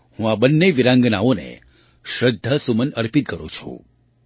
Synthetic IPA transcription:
hũabənːeʋiɾãŋɡnaonḛ | ʃɾəd̪ʱːəsumənəɾpit̪̚kəɾṵ̃t͡ʃʰṵ̃

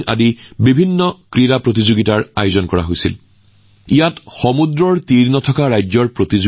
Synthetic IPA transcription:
a̰dibibʱinːɔkɹiɹapɹot̬izoɡitaɹajozɔnkɔɹa̰ɦojsil | ijatxɔmudɹɔɹtiɹnɔtʰɔkaɹajzɔɹpɹotiz

